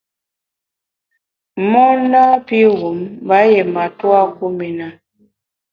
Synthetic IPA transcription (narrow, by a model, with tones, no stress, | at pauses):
mɔ˦na˦pi˦ɣu˨˦mba˦jɛ˨ma˨twa˦ku˦mɛ˨na˨